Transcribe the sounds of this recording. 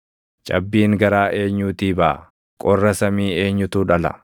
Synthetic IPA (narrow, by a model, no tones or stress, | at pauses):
t͡ʃʼɐ̰bːiːŋɡɐɾaːʔe̞ːɲːuːt̪iːbaː | kʼɔrːɐsɐmiːe̞ːɲːʊt̪uːᶑɐlɐ̰